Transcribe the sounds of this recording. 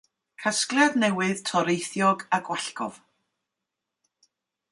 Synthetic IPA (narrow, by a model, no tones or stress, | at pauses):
kʰasklˠjadnɛwɨðtʰɔɾejθjɔɡaɡwaɬkɔ̰v